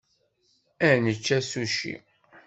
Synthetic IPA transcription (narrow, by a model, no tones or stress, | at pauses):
ænət͡ʃːæsuʃḭ